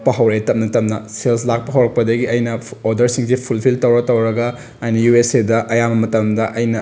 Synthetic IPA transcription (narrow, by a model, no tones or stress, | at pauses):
pɐɦɐwɾɐtɐmnɐtɐmnɐsels̬lak̚pɐɦɐwɾɐk̚pɐdɐɡiɐjnɐoɾdɐɾsiŋsipʰulpʰiltɐwɾɐk̚tɐwɾɐɡɐ | ɐjnɐjuesedɐʔɐjamɐmɐtɐmdɐʔɐjnɐ